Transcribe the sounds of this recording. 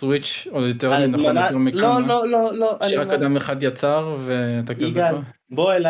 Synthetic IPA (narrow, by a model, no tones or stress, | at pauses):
swit͡ʃ | odjoteʁminaonoeʁmikloololoaʃʃeʁakadameχadjat͡saʁveataka | boela